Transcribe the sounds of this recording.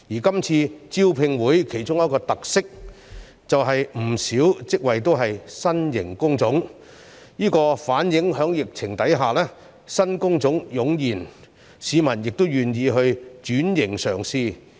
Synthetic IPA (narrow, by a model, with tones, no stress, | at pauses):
jiː˨˩kɐ˥mt͡sʰiː˧t͡siː˥wpʰɪ˧ŋwuː˨˥jkʰe˨˩jt͡sʊ˥ŋjɐ˥t̚kɔː˧t̪ɐ˨k̚sɪ˥k̚ | t͡sɐ˨wɦɐ˨jm̩˨˩siː˨˥wt͡sɪ˥k̚wɐ˨jt̪o˥wɦɐ˨jsɐ˥njɪ˨˩ŋkʊ˥ŋt͡sʊ˨˥ŋ | jiː˥kɔː˧faː˨˥njɪ˨˥ŋɦœː˨˥ŋjɪ˨k̚t͡sʰɪ˨˩ŋt̪ɐ˨˥jɦaː˨˩lɛː˥ | sɐ˥nkʊ˥ŋt͡sʊ˨˥ŋjʊ˨˥ŋjiː˨˩n | siː˨˧mɐ˨˩njɪ˨k̚t̪o˥wjyː˨njiː˧ɦɵ˧ɥt͡ʃyː˨˥njɪ˨˩ŋsœː˨˩ŋsiː˧